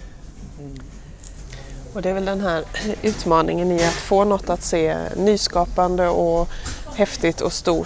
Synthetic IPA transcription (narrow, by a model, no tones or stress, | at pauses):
ɔd̪ɛæɾvɛld̪ɛnɦæːɾʉ̟ːt̪mɑːnɪŋənɪat̪foːnɔt̪ːat̪seːnyːskɑːpand̪əɔhɛft̪ɪt̪ʰɔ̰st̪uː